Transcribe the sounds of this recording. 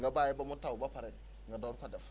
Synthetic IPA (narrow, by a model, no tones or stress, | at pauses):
ŋɡabajɛbamutawubapaɾɛŋɡadɔɾkadɛf